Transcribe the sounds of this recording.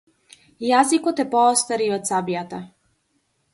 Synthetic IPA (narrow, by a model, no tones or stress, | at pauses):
jazikɔt̪ɛpɔɔst̪aɾiɔt̪sabijat̪a